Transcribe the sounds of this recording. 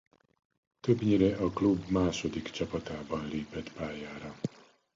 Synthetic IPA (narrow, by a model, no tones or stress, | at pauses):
t̪øbɲiɾɛʔɒklubmaːʃo̞d̪ikt͡ʃɒpɒt̪aːbɒnleːpɛt̪paːjaːɾɒ